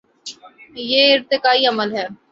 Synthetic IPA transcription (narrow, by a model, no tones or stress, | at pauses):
jeːɪɾt̪ɪkaːiɐməlɦɛː